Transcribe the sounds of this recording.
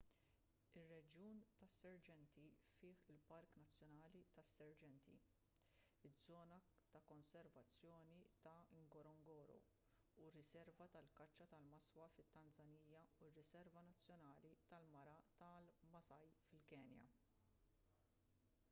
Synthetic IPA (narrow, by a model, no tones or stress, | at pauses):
ɪrːɛd͡ʒjuːnt̪ɐsːɛɾd͡ʒɛnt̪ifɪːħɪlpɐɾknɐt͡sːjɔnɐːlit̪ɐsːɛɾd͡ʒɛnt̪ḭ | ɪd͡zːɔːnɐt̪ɐkɔnsɛɾvɐt͡sːjɔːnit̪ɐɪŋɡɔɾɔŋɡɔːɾɔ̰ | urːɪsɛɾvɐt̪ɐlkɐt͡ʃːɐt̪ɐlmɐswɐfɪt̪ːɐnd͡zɐniːjːɐurːɪsɛɾvɐnɐt͡sːjɔnɐːlit̪ɐlmɐɾɐt̪ɐlmɐsɐjfɪlkɛːnjɐ̰